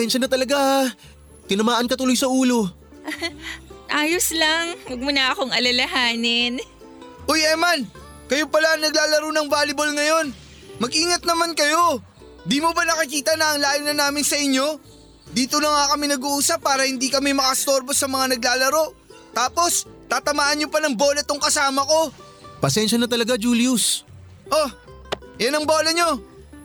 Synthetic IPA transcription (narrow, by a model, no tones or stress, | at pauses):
hɪnsɐnɐt̪ɐlɐɡa | t̪ɪnɐmaːʔɐnkɐt̪ʊlojsɐʔuːlo̞ | ʔaːjoslaŋwɐɡ̚mʊnɐʔɐko̞ŋʔɐlɐlɐɦaːnɪn | ʔojʔɛman | kɐjo̞pɐlaɐŋnɐɡlaːlɐɾo̞nɐŋvaːlɪbo̞lŋɐjo̞n | mɐɡʔiːŋɐt̪̚nɐmankɐjo̞ | d̪iːmobɐnɐkɪkiːt̪ɐnɐʔːŋlaːjʊnɐnaːmɪnsɐʔɪɲːo̞ | d̪iːt̪onɐŋakɐmɪnɐɡuʔuːsɐpːaːɾɐhɪnd̪iːkɐmɛmɐkɐst̪o̞ɾbo̞sɐmɐŋanɐɡ̚laːlɐɾo̞ | t̪aːpo̞st̪aːt̪ɐmaːʔɐnɲopɐnɐŋbo̞lɐt̪oŋkɐsaːmɐko̞ | pɐsɛnʃɐnɐt̪ɐlɐɡad͡ʒuːlius | ʔo | jɐnɐŋbolɐɲo̞